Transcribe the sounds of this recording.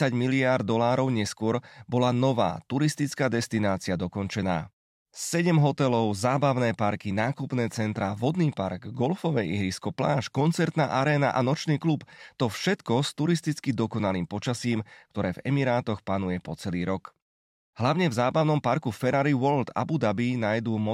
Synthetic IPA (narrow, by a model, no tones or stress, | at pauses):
aɟmiliard̪d̪ːɔlaːɾɔʊɲɛskʊɔɾbɔlanɔʋa̰ːt̪uɾist̪it͡skaːd̪ɛst̪inaːt͡siad̪ɔkɔnt͡ʃɛna̰ː | sːɛɟɛmɦɔt̪ɛlɔʊzaːbaʊnɛːpaɾkinaːkupnɛːt͡sɛnt̪ɾaʋɔd̪niːpa̰ɾɡɡɔlfɔʋɛʔiɦɾiskɔpla̰ːʃkɔnt͡sɛɾt̪naːʔaɾɛːna̰ʔanɔt͡ʃniːklupt̪ɔfʃɛt̪kɔst̪uɾist̪it͡skid̪ɔkɔnaliːmpɔt͡ʃasiːmkt̪ɔɾɛːvɛ̰miɾaːt̪ɔxpanujɛpɔt͡sɛliːɾɔk | ɦlaʊɲɛvzaːbaʊnɔmpaɾkufɛɾaɾiʋɔld̪a̰bud̪abinajd̪uːmɔ